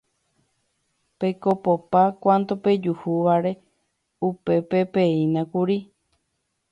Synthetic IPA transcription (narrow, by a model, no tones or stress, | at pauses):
pe̞kopopakʷãnt̪ope̞d͡ʒuhuʋaɾe̞ | upe̞pe̞peĩnãkuɾi